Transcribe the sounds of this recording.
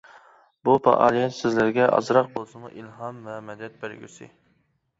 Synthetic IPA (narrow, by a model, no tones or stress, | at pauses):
bupɑ̰ʔɑːlˠijɛt̪sɪzlɪɾɡʲɛʔɑ̰zɾɑq̚bolˠsɨmuʔilɦɑmɛmɛd̪ɛt̪̚bæɾɡʲy̰sḭ